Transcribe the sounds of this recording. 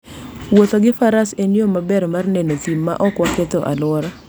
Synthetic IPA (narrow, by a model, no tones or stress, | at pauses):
wot̪oɡɪfaɾasenomabɛɾmarnenot̪imːa̰ʔɔkwaket̪oʔa̰lwɔɾa